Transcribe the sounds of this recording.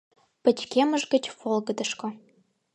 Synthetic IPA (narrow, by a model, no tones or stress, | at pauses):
pə̆t͡ɕkʲeməʒɡə̆t͡ɕfolˠɡə̆d̪ə̆ʃkŏ